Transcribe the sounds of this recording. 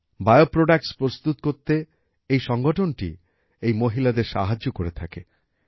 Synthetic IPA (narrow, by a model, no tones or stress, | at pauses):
baeopɾoɖak̚ʈspɾost̪ut̪koɾt̪e | ejʃɔŋɡoʈʰonʈḭ | ejmoɦilad̪eɾʃa̰ɦad͡ʑokoɾet̪ʰake